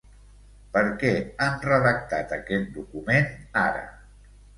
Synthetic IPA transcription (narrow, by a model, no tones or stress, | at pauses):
pəɾkɛanrəðək̚t̪at̪əkɛt̪̚d̪ukumenaɾə̰